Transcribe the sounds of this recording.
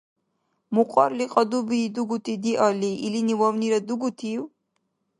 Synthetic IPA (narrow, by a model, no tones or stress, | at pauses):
muqʼɔɾliqʼɔd̪ubiːd̪uɡut̪ʰid̪iʔɔliʔːliniwɔwniɾɛd̪uɡut̪ʰiw